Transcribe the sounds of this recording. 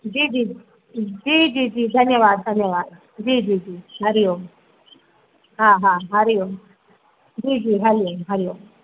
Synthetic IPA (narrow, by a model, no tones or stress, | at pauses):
d͡ʒiːd͡ʒiː | d͡ʒiːd͡ʒiːd͡ʒiːd̪ʱɐnjəʋaːd̪̚d̪ʱɐnjəʋaːd̪ | d͡ʒiːd͡ʒiːd͡ʒiːɦɐɾijoːm | ɦãːɦãɦɐɾijom | d͡ʒiːd͡ʒiːɦɐɾijomɦɐɾijom